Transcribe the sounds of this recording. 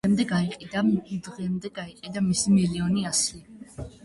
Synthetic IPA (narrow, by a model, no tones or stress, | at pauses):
ɛmd̪ɛɡaiqʼid̪ad̪ʁɛmd̪ɛɡaiqʼid̪amisimiliɔniasi